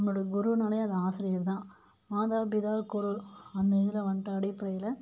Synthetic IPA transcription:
ɐmːɯɽɐɡʊɾunɐɽɐjɐðɐaːsɪɾɪjɐɾt̪ãː | maːðaːlbɪðaːlkɔɾʊlɐnd̪ɐɪðɪlɐʋɐɳʈːɐɐɽɪpːɐɽɐjɪlɐ

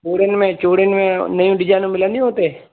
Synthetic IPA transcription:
oːɽenmẽːt͡ʃoːɽenmẽːnəjũːɖɪd͡ʒaːnũːmɪlə̃nd̪ij̃oːt̪eː

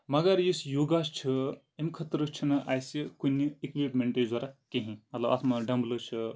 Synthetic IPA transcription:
mɐɡɐɾjisjuɡast͡ʃʰɨ | emkʰɐt̪ɾəst͡ʃʰinɐʔajsikunʲːiikʋipmeɳʈed͡zɐɾakeɦĩmɐlaʋʔɐ̰t̪ʰmɐɖɐmblət͡ʃʰɨ

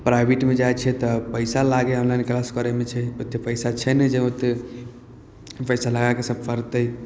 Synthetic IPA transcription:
pɾajbʱeʈmed͡ʒajt͡ʃʰɛt̪ɔpəɪsalaɡeɔnlajnklaskəɾɛmet͡ʃʰɛot̪ːjepəɪsat͡ʃʰɛnɛd͡ʒɛot̪ː | pəjsalaɡakesəb̚ʱfʰəɾt̪əj

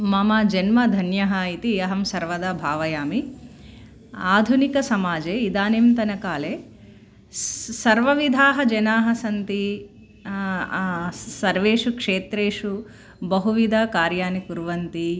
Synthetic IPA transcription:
mɐmaːd͡ʒɐnmɐd̪ʱɐnjɐɦɐit̪iɐɦɐmsɐɾʋɐd̪aːbʱaːʋɐjaːmi | aːd̪ʱunikɐsɐmaːd͡ʒeːid̪aːnimt̪ɐnɐkaːleː | sɐɾʋɐʋid̪ʱaːɦɐd͡ʒɐnaːɦɐsɐnt̪i | sɐɾʋeːʂukʂeːt̪ɾeːʂu | bɐɦuʋid̪ʱaːkaːɾjaːnikuɾʋɐnt̪i

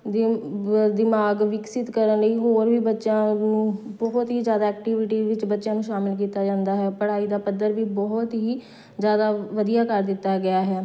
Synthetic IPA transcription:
d̪ɪmaːɡʋɪksɪt̪kəɾənləiːɦoːɾʋiːbətːʃãːnũːbɔɦt̪ɦiːzjaːd̪aːɛːk̚ʈiʋɪʈiːʋɪt͡ʃbətːʃjãːnũːʃaːmɪlk̬iːt̪aːd͡ʒãːnd̪aːɦɛːpəɽaːiːd̪aːpəd̪ːəɾʋiːbɔɦt̪ɦiː | zjaːd̪aːʋəd̪ijaːkəɾd̪ɪt̪ːaːɡɪaːɦɛː

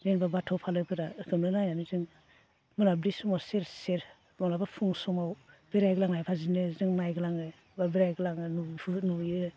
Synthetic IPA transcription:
zenbabatʰɔpʰalɯpʰɯɾaɯkʰɯmnɯnajanɯzɯŋ | mɯnabɾisumaseɾseɾ | mɔŋlabapʰuŋsɔŋawb̥eɾajɡɯlaŋajpʰazinɯzɯŋnajɡɯlaŋɯ | babeɾajɡɯlaŋɯnupʰunujɯ

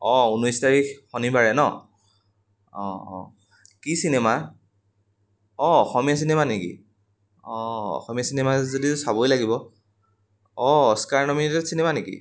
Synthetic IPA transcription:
ɔ̃unɔjstaɹixɔnibaɹɛnɔ̰ | ɔ̰̃ | kisinema | ɔɔxɔmijasinemanekḭ | ɔ̃ɔ̰xɔmijasinemazodisabojlaɡibɔ | ɔskaɹnɔmitɛtsinemanekḭ

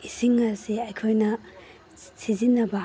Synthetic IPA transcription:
isiŋɐsiɐjkʰojnɐ | sizinːɐbɐ

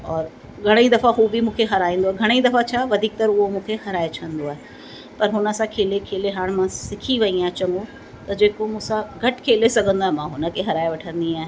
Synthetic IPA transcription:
ɔːɾ | ɡʱɐɽ̃eid̪ɐfaɦubʱimũːkʰeɦɐɾaːĩːn̆d̪oaːɦeɡʱɐɽ̃eid̪ɐfat͡ɕʰaːʋɐd̪ʱiːk̚t̪ɐɾʊɦomũːkʰehɐɾaːet͡ʃʰə̃nd̪oaːɦe | pɐɾɦʊnə̆sãkʰeːlekʰeːleɦaːɽ̃mãsɪkʰiʋɐiaːɦẽt͡ɕɐ̃ŋɡo | t̪ɐd͡ʑeːkomũːsãɡʱɐʈkʰeːlesɐɡʱə̃nd̪oaːɦemãɦʊnə̆kʰeɦɐɾaːeʋɐʈʰə̃nd̪iaːɦẽ

